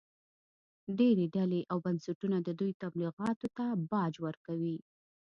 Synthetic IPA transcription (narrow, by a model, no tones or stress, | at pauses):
ɖeɾeɖaleʔawbansaʈunad̪əd̪ujt̪abliɣɑt̪ot̪abɑd͡ʒwəɾkawi